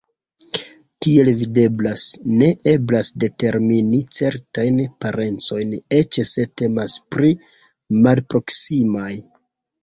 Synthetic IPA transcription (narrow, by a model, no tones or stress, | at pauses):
tie̞lvide̞blasne̞ʔe̞blasde̞te̞ɾminit͡se̞ɾtajnpaɾe̞nt͡so̞jne̞t͡ʃese̞te̞maspɾi | malpɾo̞ksimaj